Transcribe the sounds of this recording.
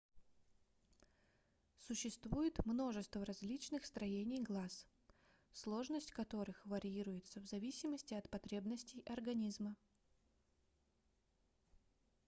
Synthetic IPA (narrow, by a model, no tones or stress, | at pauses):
sʊɕːɪst̪vujɪt̪mno̞ʐɨst̪vəɾɐzʲlʲit͡ɕnɨxst̪ɾɐjenʲɪjɡlˠas | slˠo̞ʐnəsʲtʲkɐt̪o̞ɾɨxvəɾʲɪiɾʊjɪt̪səvzɐvʲisʲɪməsʲtʲɪɐt̪pɐt̪ɾʲe̞bnəsʲtʲɪjɐrɡɐnʲizmə